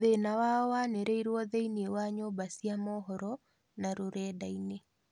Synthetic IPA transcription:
ðenawawaneɾeiɾwɔðeiniewaɲoːbasiamɔɦɔɾɔ | naɾoɾɛːdaine

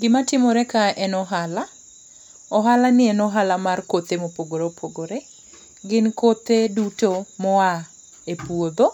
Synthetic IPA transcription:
ɡɪmatɪmɔɾɛkaɛnɔɦala | ɔɦalanɪɛnɔɦalamarkot̪emopoɡoɾopʰoɡoɾe | ɡɪnkot̪edutomɔa | epuod̪o

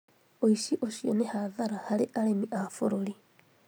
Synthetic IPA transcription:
oiʃiʔoʃjɔnehaðaɾahaɾeʔalemiʔafoɾoli

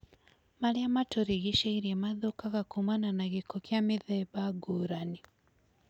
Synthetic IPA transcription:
maliamatoɾiɣiʃaiɾiemaðokaɣakumananaɣikokjamiðɛβaɡuːɾani

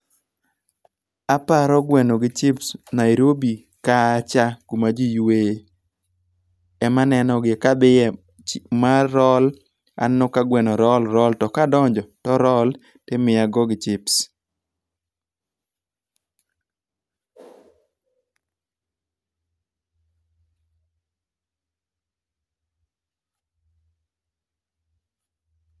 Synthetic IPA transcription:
apaɾɔɡwɛnoɡɪt͡ʃɪpsnaiɾobi | kat͡ʃakumad͡ʒijwe | ɛmanɛnɔɡɪkabɪjɛ | maɾɔl | a̰nnʊkaɡwɛnɔɾɔlɾɔltɔkadɔɲd͡ʒɔtɔɾɔl | temɪjaɡoɡɪt͡ʃɪps

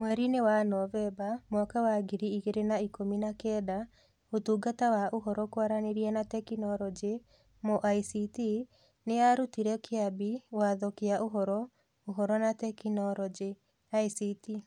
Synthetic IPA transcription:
mwɛɾinewanɔvɛbamwɔkawaɡiɾiiɣeɾenaikominakɛda | otuːɡatawaʔoɦɔɾɔkwaɾaneɾianatɛkinɔɾɔd͡ʒe | mɔʔaisiti | neaɾutiɾɛkʰeabiwaðɔkeaʔoɦɔɾɔ | oɦɔɾɔnatɛkinɔɾɔd͡ʒe | aisiti

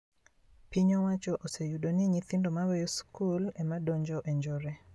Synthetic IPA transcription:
piɲowat͡ʃɔʔosejudoniɲiθindomawɛjoskulɛmadoɲd͡ʒɔʔeɲd͡ʒɔɾɛ

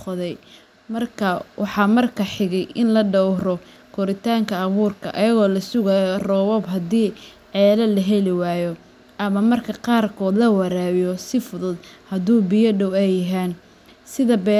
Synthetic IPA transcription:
ɔðɛj | mɐrkʰɐwʔɑħɑːmɐrkʰɐħɪɣɛjʔɪnlɐɖɔwɾɔ | kʰɔɾɪt̪ʰaːŋkʰɐɐβuːrkʰɐ̰ʔɐjɐɣɔːlɐsʊɣaːjɔrɔːβɔbɦɐd̪iːʕɛːlɐlɐɦɛlɪwaːjɔ | ʔɐmɐmɐrkʰɐqɑːrkʰɔːd̪lɐwɐɾaːβɪjɔsɪfʊðʊd̪hɐðuːbijɐɖɔwɛjɐɦɛːn | sɪðɐbɛː

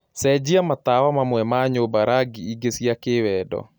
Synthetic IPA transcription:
sɛd͡ʒiamat̪awamamwɛmaɲobaɾaɡiiɡesiakewɛːdɔ̰

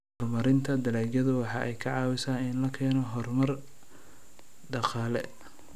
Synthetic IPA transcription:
hɔrmɐɾɪnt̪ʰɐd̪ɐlaːd͡ʒɐðʊwɑħɑːʔɛjkʰɐʕɑːwɪsaːnɪnlɐkʰɛːnɔɦɔrmɐr | ɖɑqɑːlɛ

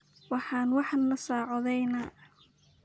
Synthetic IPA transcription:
wɑħɑːnwɑħnɐsaːʕɔðɛjnɐ

